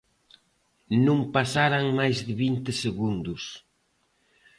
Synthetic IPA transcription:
nũmpasaɾaŋmajzðɪβint̪ɪseɣund̪ʊs

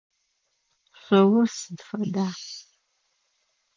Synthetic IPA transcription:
ɕʷɐwʊrsɨdfɐdaː

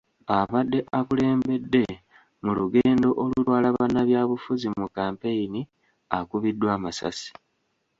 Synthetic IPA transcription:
aβadːe̞ʔakule̞ːmbe̞dːe̞ | muluɡe̞ːndo̞ʔolulwaːlaβanːaβjaːβufuzimukːaːmpe̞ini | akuβidːwaːmasa̰si̥

